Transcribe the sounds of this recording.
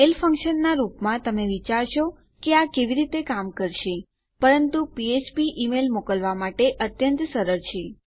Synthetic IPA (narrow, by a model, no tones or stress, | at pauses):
elfə̃ŋkʃənːaɾupmãt̪əmeʋit͡ʃaɾʃo | keakeʋiɾit̪ekamkəɾʃe | pəɾənt̪upiet͡ʃpiʔimelmokəlʋamaʈeʔət̪jənt̪səɾəɾt͡ʃʰe